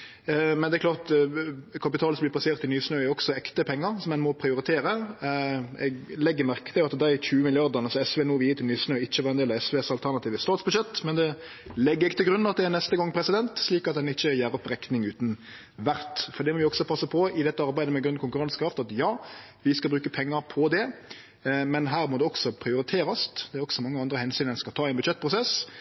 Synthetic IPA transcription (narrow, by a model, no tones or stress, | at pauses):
mɛnd̪ɛklɑːʁt̪ | kʰɑpɪt̪ʰɑːlsɔmlɪp̪ʰɑseːʁt̪ɪlnyːsnøːæɾɔksɔɛkt̪əpʰɛŋːəɾsɔmɛnmɔpʰɾɪʊɾɪt̪ʰeːɾə | ɛ̰ɡlɛɡːəɾmæʁkə̥t̪ɪlɑt̪d̪æɪçʉːəmɪlɪɑʁd̪ənəsɔɛsʋeːnuːʋiːəɾt̪ʰɪlnyːsnøːɪçːəʋɑɾɛnd̪eːlɑɛsʋeːsɑlt̪ʰæɾnɑt̪iːʋəst̪ɑːt̪sbʉʂʃɛt̪ːmɛnd̪ɛ | lɛɡːəɾɪkt̪ʰɪlɡɾʉnːn̩ɑt̪̚d̪ɛæɾnɛst̪əɡɑŋːpʰɾɛsɪd̪ɛnt̪ʂliːkɑt̪̚d̪ɛnɪçːəjæːɾɔpɾɛknɪŋʉːt̪n̩ | ʋæɾt̪fɔɾd̪ɛmɔʋɪɔksɔpʰɑsːəpʰɔɪd̪ɛt̪ːəɑɾbæɪd̪əmɛɡɾʉnkʰʊŋkʉɾɑnskɾɑft̪ɑt̪jɑː | ʋɪskɑbɾʉːkəpʰɛŋːəɾpʰɔd̪ɛ | mɛnɦæːɾmɔd̪ɛɔksɔpʰɾɪʊɾɪt̪ʰeːɾɑsd̪ɛæɾɔksɔmɑŋːəɑnd̪ɾəhɛnsyːnəɛnskɑt̪ʰɑːæɛnbʉ̥ʃɛt̪̚ːpʰʁʊsɛs